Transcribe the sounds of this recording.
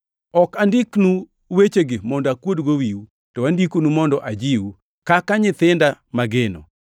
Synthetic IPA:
ɔkandiknu | wet͡ʃeɡɪmɔndɔakwodɡowiu | tɔwandikonumɔndɔʔad͡ʒiwu | kakaɲɪt̪ɪndamaɡenɔ̰

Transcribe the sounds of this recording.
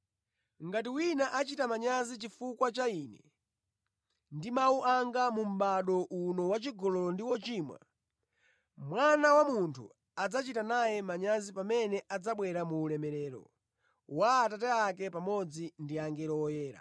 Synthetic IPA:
ŋɡatiwinaʔat͡ʃitamaɲazit͡ʃifukwat͡ʃainɛ̰ | ndimauʔaŋɡamum̩ɓaɗɔʔunɔwat͡ʃiɡɔlɔlɔndiwɔt͡ʃiːmwa̰ | mwanawamuntʰṵ | ad͡zat͡ʃitanajɛmaɲazipamɛnɛʔad͡zaɓwɛɾamuːlɛmɛɾɛːɾɔ̰ | waːtatɛakɛpamɔd͡zindiaŋɡɛɾɔɔjɛːɾa̰

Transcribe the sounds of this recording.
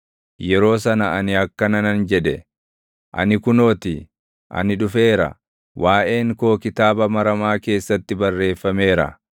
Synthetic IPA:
jɛɾo̞ːsɐnɐɐnɪɐkːɐnɐnɐnd͡ʒɛᶑ̪ɛ̰ | ʔɐ̰nɪkʊno̞ːt̪i | ʔɐ̰nɪᶑʊfe̞ːɾɐ̰ | waːʔe̞ːŋko̞ːkɪt̪aːbɐmɐɾɐmaːke̞ːsːɐt̪ːɪbɐrːe̞ːfːɐme̞ːɾɐ̰

